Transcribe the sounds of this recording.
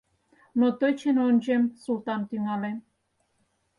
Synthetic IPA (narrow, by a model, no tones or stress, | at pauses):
not̪ojt͡ɕenonʲʒemsult̪ɑnt̪yŋɑlen